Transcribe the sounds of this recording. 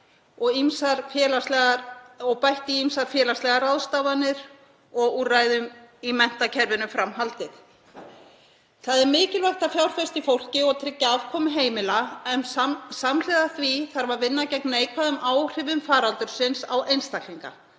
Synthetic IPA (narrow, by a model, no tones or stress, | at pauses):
ɔɣimsaɾfjɛːlaslɛɣaɔɣpajht̪ɪimsaɾ̥fjɛːlast̪lɛɣaɾawðst̪avanːɪɾ | ɔɣuraːjðʏmimɛn̥t̪acʰɛɾvɪnʏfɾamɦalt̪ɪθ | θaðɛɾmɪːcɪlvajht̪afjawɾ̥fɛst̪ifowl̥cɪɔɣt̪ʰɾɪcːaav̥kʰɔːmɪɦeːjmɪlaɛnsaml̥ɛðaθviθaɾvaɾvɪnːacɛknaejkʰvaðʏmaːwr̥ɪvʏmfaːɾalt̪ʏɾ̥sɪnsawʔejnst̪akʰliŋka̰